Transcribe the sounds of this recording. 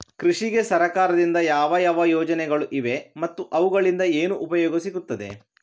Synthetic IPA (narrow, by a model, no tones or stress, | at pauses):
kɾiʂiɡe̞sɐɾɐkaːɾɐd̪ind̪ɐjaːʋɐjaːʋɐjɔːd͡ʒɐnɛɡɐɭuʔiʋe̞mɐt̪ːuʔɐʋuɡɐɭind̪ɐeːnuʔːpɐjɔːɡɐsiɡut̪ːɐd̪e̞̰